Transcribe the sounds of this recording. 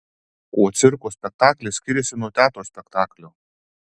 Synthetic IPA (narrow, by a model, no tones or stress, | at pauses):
koɔt̪sʲɪɾkoːsʲpʲɛk̚t̪ɑːkʲlʲesʲkʲɪɾʲɛsʲɪnuɔt̪ʲæːt̪oːsʲpʲɛkt̪ɑːklʲoː